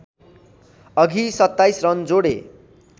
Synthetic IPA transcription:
ʌɡʱisʌt̪ːajsrʌnd͡zoɽḛ

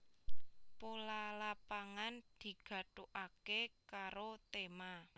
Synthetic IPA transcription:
polalapaŋand̪̥i̤ɡ̥ä̤ʈoʔakekaɾot̪ema

